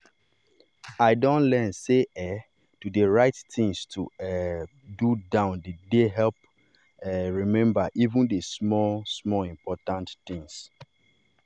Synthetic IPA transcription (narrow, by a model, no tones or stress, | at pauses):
aɪdɔ̃ntlɛnseɛ | tudeɹaɪtθĩŋstʰuɛ | dudãʊ̃ndedeɦɛlp̚ | ɛɹimɛ̃mbaʔivũndesmɔlsmɔlĩmpʰɔtãntθĩŋs